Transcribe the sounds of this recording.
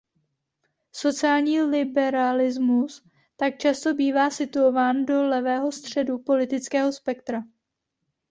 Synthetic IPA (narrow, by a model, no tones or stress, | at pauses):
so̞t͡sɪaːlɲiːlɪbɛɾalɪzmus | t̪ak̚t͡ʃast̪o̞biːvaːsɪt̪uovaːndo̞lɛvɛːɦo̞st̪r̝̥ɛdupo̞lɪt̪ɪt͡skɛːɦo̞spɛkt̪ɾa